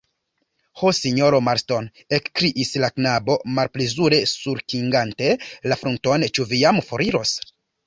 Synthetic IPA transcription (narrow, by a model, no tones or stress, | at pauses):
hosiɲo̞ɾo̞maɾsto̞n | ekkɾiʔislaknabo̞malplezuɾe̞suɾkiŋɡante̞lafɾunto̞nt͡ʃuvijamfo̞ɾiɾo̞s